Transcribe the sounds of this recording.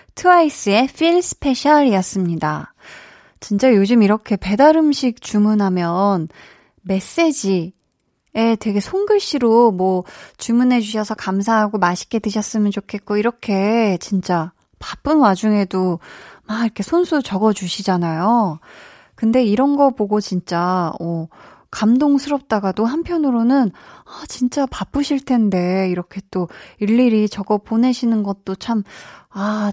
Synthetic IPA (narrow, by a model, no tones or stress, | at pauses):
tʰɯais͈ɯe̞fʰiɭsʰɯ̥pʰe̞ɕʰaɾijʌs͈ɯmɲida̰ | t͡ɕint͡ɕ͈ajod͡ʑɯmiɾʌkʰe̞pe̞daɾɯmɕʰik̚t͡ɕumunɦamjʌn | me̞s͈e̞d͡ʑi | e̞twe̞ɡe̞sʰoŋɡɯɭɕ͈iɾomwʌt͡ɕumunɦe̞d͡ʑuɕʰʌsʰʌkams̬ʰaɦaɡomaɕʰi̥k͈e̞tɯɕʰʌs͈ɯmjʌnt͡ɕokʰe̞t̚k͈oiɾʌkʰe̞t͡ɕint͡ɕ͈a | pap͈ɯnwad͡ʑuŋe̞domaɡiɾʌkʰe̞sʰonsʰut͡ɕʌɡʌd͡ʑuɕʰid͡ʑanajo | kɯnde̞iɾʌnɡʌpoɡot͡ɕint͡ɕ͈amʌ | kamdoŋsʰɯɾʌp̚t͈aɡadoɦampʰjʌnɯɾonɯnat͡ɕint͡ɕ͈apap͈ɯɕʰiɭtʰe̞nde̞iɾʌkʰe̞t͈oiɭːiɾit͡ɕʌɡʌpone̞ɕʰinɯnɡʌt̚t͈ot͡ɕʰama